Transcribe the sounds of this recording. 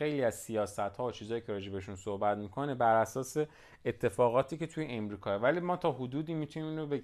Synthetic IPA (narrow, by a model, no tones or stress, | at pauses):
e̞jliæzsijɒːsæt̪hɒːot͡ʃʰiːzɒːjiːcʰeɾɒːd͡ʒe̞beeʃunsohbæt̪mikʰo̞nebæɾæsɒːse̞ | et̪ʰːe̞fɒːɣɒːt̪ʰiːce̞t̪ʰujeʔemɾiːkʰɒːevæliːmɒːt̪ʰɒːɦud̪uːd̪iːmːit̪ʰunimiːnɾobe